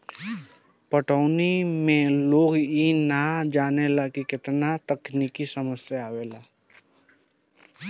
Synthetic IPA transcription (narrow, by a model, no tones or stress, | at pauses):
pəʈəːnimẽloːɡinad͡ʒaːnelakikɪt̪nat̪əkniːkisəməsjaaːʋelaː